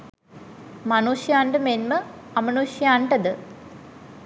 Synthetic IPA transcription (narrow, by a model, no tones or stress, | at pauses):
mɐnuːʂijaːɳɖɨmenmɐɐmɐnuːɕjaːɳɖɐd̪ɨ